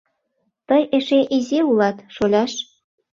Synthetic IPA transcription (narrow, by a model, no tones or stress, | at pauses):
t̪əjeʃeʔizeulɑt̪ʃolʲɑʃ